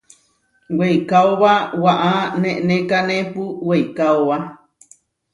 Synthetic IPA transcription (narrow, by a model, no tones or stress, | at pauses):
wejkaoβawaʔanẽʔnẽkanẽpuwejkaoβa